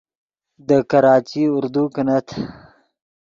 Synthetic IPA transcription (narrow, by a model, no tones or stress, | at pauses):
d̪əkɐɾɑːt͡ʃiʊɾd̪ukənat̪ʰ